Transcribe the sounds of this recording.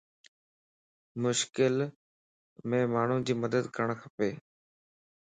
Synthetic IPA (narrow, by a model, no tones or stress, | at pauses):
mʊʃkɪl | mẽːmaːɳ̤ũd͡ʑiːməd̪əd̪kəɾɳ̃kʰəpeː